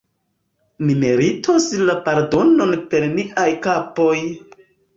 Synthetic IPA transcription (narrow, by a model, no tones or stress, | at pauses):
nime̞ɾitʰoslapaɾdo̞no̞npe̞ɾniʔajkapo̞j